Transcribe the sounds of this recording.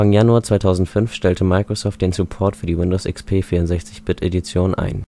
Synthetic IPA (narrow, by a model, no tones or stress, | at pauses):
aŋjanuaːɐt͡sv̥aɪtʰaʊzn̩tfʏnfʃtɛltʰəmaɪkʁ̥osɔːft̚d̥eːnsupʰɔɐtfyːɐdiːwɪndoʊsɪkspʰeːfiːɐʊntzɛçt͡sɪçb̥ɪtʔedit͡sjoːnənʔa̰ɪn